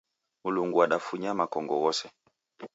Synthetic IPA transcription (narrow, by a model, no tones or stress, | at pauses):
muluŋɡuaɗafuɲamakɔŋɡɔɣɔsɛ